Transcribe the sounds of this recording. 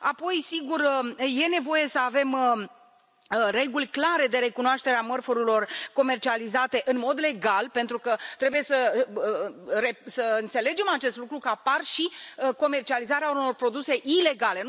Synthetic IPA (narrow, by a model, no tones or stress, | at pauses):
apo̞jsiɡurəje̞ne̞vo̞je̞səave̞m | re̞ɡulʲklaɾe̞d̪e̞ɾe̞kunoaʃt̪e̞ɾeamərfuɾilo̞rko̞me̞rt͡ʃializat̪e̞ʔɨnmo̞d̪le̞ɡalpe̞nt̪ɾukət̪ɾe̞buje̞sə | resəɨnt̪se̞le̞d͡ʒe̞mat͡ʃe̞st̪lukɾukəaparʃiko̞me̞rt͡ʃializaɾeauno̞rpɾo̞d̪use̞ʔile̞ɡale̞